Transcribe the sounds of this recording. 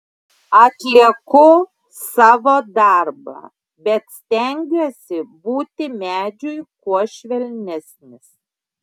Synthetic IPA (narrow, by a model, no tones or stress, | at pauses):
ɐt̪ʲlʲiɛkʊ | sɑːʋoːd̪ɑˑɾbɑ̰ː | bʲɛt̪sʲt̪ʲɛŋʲɡʲuɔsʲɪbuːt̪ʲɪmʲæːd͡ʒʲʊjkuɔʃʲʋʲɛlʲnʲɛsʲnʲɪs